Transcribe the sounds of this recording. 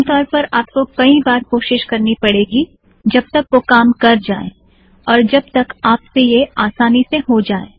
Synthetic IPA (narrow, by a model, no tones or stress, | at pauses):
t̪ɔːɾpɐɾaːp̚kokɐĩbaːɾkoːʃɪʃkɐɾnipɐɽeːɡi | d͡ʒɐb̚t̪ɐkʋokaːmkɐɾd͡ʒaːḛ | ɔːɾd͡ʒɐbt̪ɐkaːpsejeaːsaːniseɦod͡ʒaːḛː